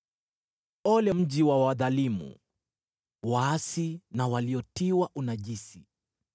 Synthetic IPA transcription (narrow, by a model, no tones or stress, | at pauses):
ɔlɛm̩ʄiwawaðalimṵ | waasinawaliɔtiwaʔunaʄisi